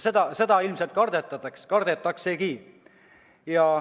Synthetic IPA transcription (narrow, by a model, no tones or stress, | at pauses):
sed̪̥ɑse̞d̪̥ɑilmselt̪̚kɑrd̪̥et̪ːˑɑt̪ɑkskɑrd̪et̪ːˑɑkse̞ki | jɑ